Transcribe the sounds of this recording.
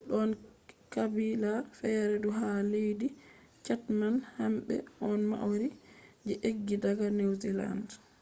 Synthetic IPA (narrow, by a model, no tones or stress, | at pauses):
ɗɔnkabilafɛɾɛduɦalejdi | t͡ʃatmanhamɓɛ̰ɔnma̰ʔwɾid͡ʒɛʔeɡːidaɡanewzila̰nd